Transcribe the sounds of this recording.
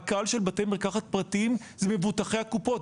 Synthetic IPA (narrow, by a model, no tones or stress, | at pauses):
kalʃelbatemeʁkaχat̪̚pʁatim | zeme̞vutaχe̞hakupo̞t